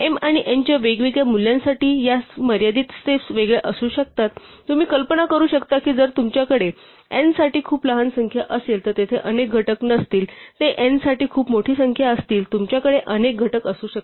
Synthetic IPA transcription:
emaɽ̃iʔeɲt͡ɕjaʋeɡʋeɡɭjamuljãnsaʈiːjaməɾjad̪iːt̪sesʋeɡɭeʔəsuːɕək̚t̪at̪ | t̪ːum̤iːkəlpənakəɾuːɕəkt̪akiːd͡zəɾt̪umt͡ɕjakəɽe | ensaʈiːkʰuːpləɦansəŋkʰjaʔəsjelt̪ət̪et̪ʰeʔənek̚ɡʱəʈəknəst̪iːlt̪eʔensaʈiːkʰuːpmoʈʰiːsəŋkʰjaəst̪iːlt̪umt͡ɕjakəɽeʔənek̚ɡʱəʈəkəsuːɕək̪̚

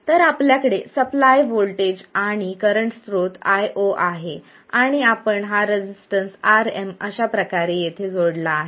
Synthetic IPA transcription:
t̪əɾapljakəɽesəplajʋolʈed͡ʑaɽ̃ikəɾəɳʈst̪ɾot̪ajʔoʔaɦe | aɽ̃iapəɳɦaɾed͡ʑisʈənsaɾeməɕapɾəkaɾejet̪ʰed͡zoɽlaːɦe

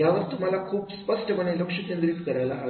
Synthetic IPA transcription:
jaʋəɾt̪um̤alakʰuːpspəsʈəməɳeləkʂəkend̪ɾiːt̪kəɾajlaɦa

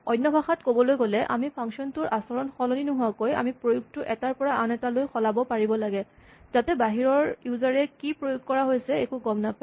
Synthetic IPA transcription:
ɔjnːɔbʱaxatkobɔlojɡolɛʔa̰mipʰɔŋksiɔntʊɹʔasɔɹɔnxɔloninʊɦʊwakoja̰mipɹojuk̚tʊʔɛtaɹpɔɹaanɛtalojxɔlabɔpaɹibɔlaɡɛzatɛbaɦiɹɔɹjuzaɹɛkipɹojuk̚kɔɹaɦojsɛekuɡɔmnapa

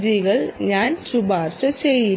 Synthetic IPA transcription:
d͡ʑiɣɐɭɲaːnsubaːrɕɐt͡ɕejːi

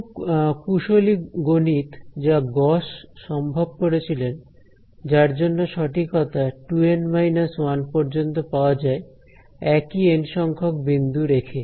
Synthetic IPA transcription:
kuʃoliɡonit̪d͡ʑaɡɔʃʃːɔmbʱob̚koɾet͡ɕʰilen | d͡ʑaɾd͡ʑonːoʃɔʈikɔt̪aʈuenmajnaswanpɔɾd͡ʑont̪opaoad͡ʑae | ɛkienʃɔŋkʰok̚bind̪ʱuɾekʰe

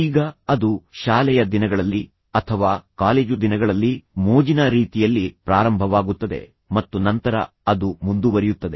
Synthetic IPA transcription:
iːɡɐɐd̪uʃaːlɛjɐd̪inɐɡɐɭɐlːi | ɐt̪ʰɐʋaːkaːleːd͡ʒud̪inɐɡɐɭɐlːimoːd͡ʒinɐɾiːt̪ijɐlːipɾaːɾɐmbʱɐʋaːɡut̪ːɐd̪e̞̰ | mɐt̪ːunɐnt̪ɐɾɐ̰ | ɐd̪umund̪uʋɐɾijut̪ːɐd̪e

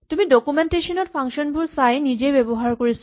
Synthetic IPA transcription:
tumidokumenteʃɔnɔt̚pʰaŋʃɔnbuɹsajnid͡ʒejbebɔɦaɹkoɹis

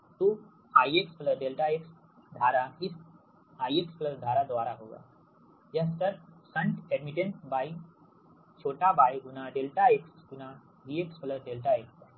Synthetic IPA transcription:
t̪u | ajekskləɖelʈaeks | d̪ʱaɾaɦis | ajekskləsd̪ʱaɾad̪ʋaɾaɦoɡa̰ | jas̬t̪əɾsəɳʈɛɖmiʈeɳʈbai | t͡ɕʰoʈabajɡunaɖelʈaeksɡuna | ɦiekskləsɖelʈaeksa

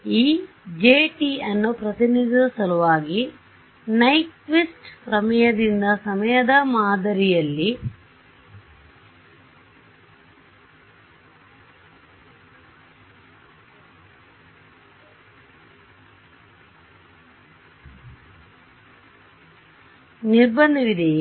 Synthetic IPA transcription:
iː | d͡ʒeːʈiɐnːupɾɐt̪inid̪usɐluʋaːɡi | nɐjʈʋisʈkɾɐmɐjɐd̪ind̪ɐsɐmɐjɐd̪ɐmaːd̪ɐɾijɐlːi | niɾbɐnd̪ʱiʋid̪e

